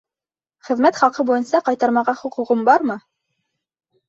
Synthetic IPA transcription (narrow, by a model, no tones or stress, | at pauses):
χɘ̆ðmæt̪χɑlˠqɤbujɤ̆nsɑqɑjt̪ɑɾmɑʁɑχuquʁɤmbɑɾmɤ